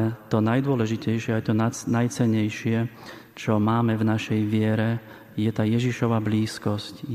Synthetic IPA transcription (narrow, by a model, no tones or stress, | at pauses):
t̪ɔnajd̪ʊɔlɛʒicɛjʃɪɛajt̪ɔnnajt͡sɛɲːɛjʃɪɛ | t͡ʃɔmaːmɛvnaʃɛjʋɪɛɾɛ | jɛt̪aːjɛʒiʃɔʋabliːskɔsc